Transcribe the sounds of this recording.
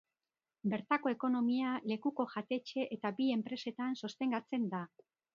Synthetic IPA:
be̞ɾt̪ako̞e̞ko̞no̞miale̞kuko̞ʝat̪e̞t͡ʃe̞ʔet̪abie̞mpɾe̞se̞t̪anso̞st̪e̞ŋɡat͡se̞nd̪a

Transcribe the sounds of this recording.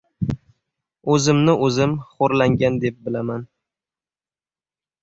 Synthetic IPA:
ɵzɪmnɪɵzɪmχoɾlaŋɡʲand̪e̞p̚bɪlaman

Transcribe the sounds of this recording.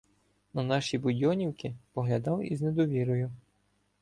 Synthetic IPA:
nɐnɑʃʲibʊdʲɔnʲiwkɪpɔɦlʲɐd̪ɑwḭzned̪ɔʋʲiɾɔjʊ

